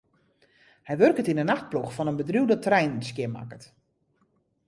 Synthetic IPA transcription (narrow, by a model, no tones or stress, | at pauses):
hɛjʋørkətinənaxt̚pluxfɔnənbədruwdətrɛjnnskjɪma̰kət